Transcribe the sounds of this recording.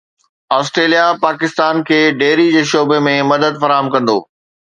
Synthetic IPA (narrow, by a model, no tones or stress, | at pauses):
aːsʈɾeːlijapaːkɪst̪aːnkʰeːɖeːɾid͡ʑeːʃoːbemẽmɐd̪əd̪fɐɾaːɦəmkɐ̃nd̪o̰ː